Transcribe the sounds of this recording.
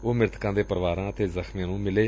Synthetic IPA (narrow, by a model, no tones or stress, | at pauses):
oːmɪɾt̪kãːd̪eːpəɾʋaːɾãːət̪eːzəxmjãːnũːmɪleː